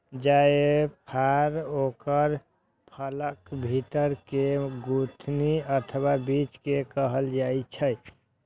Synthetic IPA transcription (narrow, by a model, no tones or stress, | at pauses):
d͡ʒaepʰaɾokəɾ | pʰələkbʱit̪əɾkeɡut̪ʰniət̪ʰəwabit͡ʃkekəɦəld͡ʒajt͡ʃʰəj